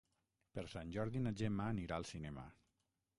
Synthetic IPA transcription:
pəɾsanʲʒɔɾðinad͡ʒemaːniɾaəlˠsinɛma̰

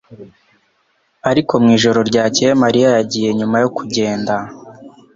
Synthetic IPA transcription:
aɾiko̞mŋiːʒo̞ɾo̞ɾɟaːcejemaɾijajaɟiːje̞ɲumajo̞kuɟe̞ːnda

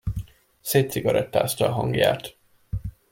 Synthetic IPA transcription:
seːt̪siɡɒɾɛt̪ːa̰ːst̪ɒːɦɒŋɡja̰ːt̪

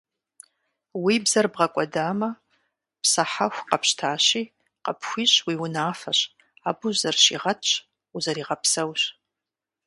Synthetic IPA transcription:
wiːbzɐrbʁɐkʷʼɔdaːmɐ | psɐħaxʷqɐpɕtʰaːɕiː | qɐ̰pxʷiːɕwiːwʊnaːfɐɕ | aːbʊʒzɐrʃḭːʁɐtt͡ʃʼ | uzɐɾiːʁɐpsɐwɕ

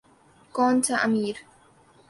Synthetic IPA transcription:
kɔːnt̪aʔamiːɾ

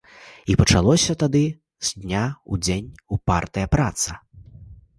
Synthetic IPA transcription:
ipɐt͡ʂalˠɔsʲɐt̪ad̪ɨ | z̥d̪ʲnʲaud͡zʲenʲupart̪ɨjɐpɾat̪sɐ

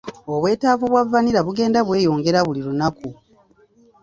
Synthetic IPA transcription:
o̞βwe̞ːtaːvuβwavːaniɾaβuɡe̞ːndaβwe̞ːjo̞ːŋɡe̞ɾaβuliɾunaku

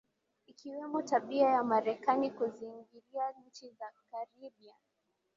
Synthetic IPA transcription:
ikiwɛmɔtaɓiajamaɾɛkanikuziŋɡiɾiaɲ̩t͡ʃizakaɾiɓia

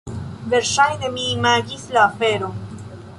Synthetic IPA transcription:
ve̞ɾʃajd̪emiːmaɡislaːfe̞ɾo

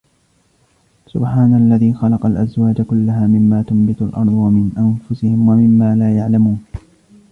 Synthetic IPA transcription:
sʊbħaːnaalːaðiːxɑlɑqɑlʔazwaːd͡ʒakʊlːaɦaːmɪmːaːt̪ʊmbɪt̪ʊlʔɑ̰ɾˤd̪ˤwamɪnʔanfʊsɪhɪmwamɪmːaːlaːjaʕlamuːn

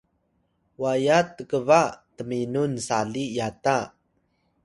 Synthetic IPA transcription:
wajatːəkəvatəminunsaɮijata

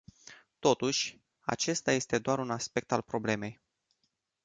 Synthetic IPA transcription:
t̪o̞t̪uʃʲ | a̰t͡ʃe̞st̪aje̞st̪e̞d̪oaɾunaspe̞k̚t̪alpɾo̞ble̞me̞j

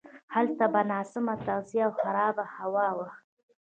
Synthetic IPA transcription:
halt̪abanɑsɪmat̪awziawxaɾɑbahawɑwaxt̪

